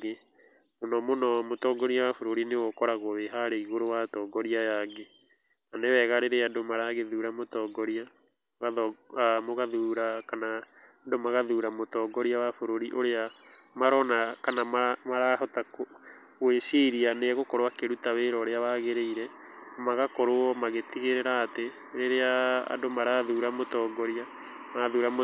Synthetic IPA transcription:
ɡe | monɔmonɔmotɔɡɔɾiawafoɾoɾinewɔkɔɾaɣoðeɦaɾeiɣoɾowatɔːɡɔɾiajaɡe | nanewɛɣaɾeɾeandomaɾaɣeðuɾamotɔɡɔɾia | ɣaɔamoɣaðuɾakana | ndomaɣaðuɾamotɔːɡɔɾiawafoɾoɾiʔoɾeamaɾɔnakanamamaɾaɦɔtako | weseɾianeɣokɔɾowakeɾutaweɾɔɾeaβaɣeɾeiɾɛamaɣakɔɾoɔmaɣetiɣeɾeɾaːte | ɾeɾea̰ːdomaɾaðuɾamotɔːɡɔɾia | maaðuːɾamo

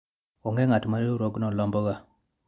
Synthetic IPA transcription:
ɔŋɡeŋatmaɾeuɾoɡnɔlɔmbɔɣa

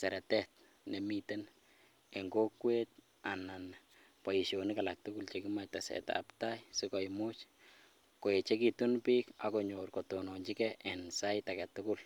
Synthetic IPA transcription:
sɛɾɛtɛt̚ | nɛmitɛn | ɛŋɡokwet̚ | anan | paiʃjonikalak̚tʊkult͡ʃekimatasɛ̰ta̰ptajsɪkɔjmʊt͡ʃ | koet͡ʃɛkitunpikakoɲorkotonoɲt͡ʃikɛʔɛnsajtakɛtʊkʊl

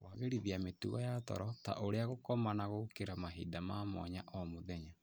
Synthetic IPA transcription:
waɣeɾiðiametuɣɔjatɔ̰ɾɔta̰ʔoɾeaɣokɔmanaɣokeɾamaɦḭːdamamɔ̰ɲaʔɔmoðɛɲa

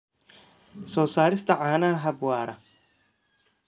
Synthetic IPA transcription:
sɔːsaːɾɪst̪ʰɐʕaːnaːɦɐbwaːɾɐ

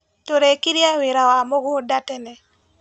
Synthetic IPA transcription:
toɾekiɾjawɪɾawamoɡɔdatɛnɛ

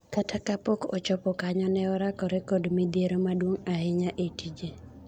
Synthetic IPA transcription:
katʰakapɔkɔ̰t͡ʃɔpɔkaɲɔnɛɔɾakɔɾɛkɔdmid̪jeɾomadwoŋahɪɲaʔetid͡ʒe

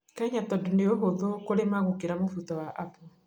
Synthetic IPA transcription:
kaiɲatɔndoneoɦoðokoɾemaɣokeɾamofutɔwaʔapɔ

